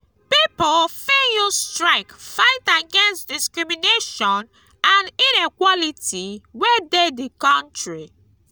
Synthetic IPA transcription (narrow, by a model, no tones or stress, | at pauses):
pipolfejustɹaɪkfaɪtaɡɛ̃nstdiskɹimineʃɔ̃n | ãninikwɔlitʰiwɛdedikɔ̃ntɹi